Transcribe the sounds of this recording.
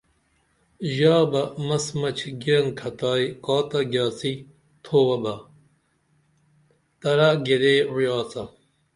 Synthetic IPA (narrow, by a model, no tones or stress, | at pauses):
ʑaːbɐmɐsmɐt͡ɕʰɡiɾɐŋkʰɐt̪aːjkaːt̪ɐɡjaːt͡si | t̪ʰoːwɐbɐ | t̪ɐɾaɡeɾeːwjaːt͡sɐ